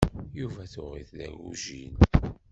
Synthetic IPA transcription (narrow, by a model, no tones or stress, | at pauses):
juvæθʊʁḭθlæ̰ɡuʒin